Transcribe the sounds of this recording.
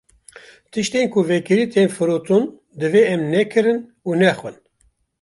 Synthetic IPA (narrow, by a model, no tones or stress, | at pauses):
t̪ʰɨʃt̪eːnkʰʊvɛkɨɾiːt̪eːnfɨɾot̪ʰun | d̪ɨveɛmnɛkʰɨɾɨn | uːnɛxwɨn